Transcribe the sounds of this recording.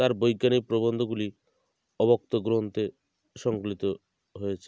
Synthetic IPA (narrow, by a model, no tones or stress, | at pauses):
t̪aɾbɔjɡjanipɾobɔnd̪ʱɔɡuli | ɔbɔk̚t̪ɔɡɾoɦnt̪e | ʃɔŋklit̪ɔ | ɦojet͡ʃʰe̥